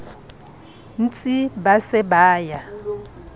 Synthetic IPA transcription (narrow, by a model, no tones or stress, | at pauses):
n̩t͡sʼibasɛbaːja